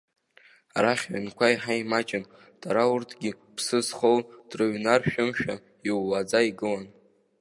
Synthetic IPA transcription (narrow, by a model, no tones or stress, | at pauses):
aɾaχʲɥa̰nkʷʰaiħaimat͡ʃʼɪn | d̥ʼaɾaurtʰɡʲi | pʰsɨzχowd̥rɨɥnarʃᶣʊmʃᶣa | iwːad͡zaiɡɨlan